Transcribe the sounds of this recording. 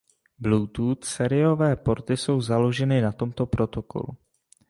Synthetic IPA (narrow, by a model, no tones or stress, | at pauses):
bluːt̪uːt̪sɛɾɪo̞vɛːpo̞ɾt̪ɪso̞wzalo̞ʒɛnɪnat̪o̞mt̪o̞pɾo̞t̪o̞ko̰lṵ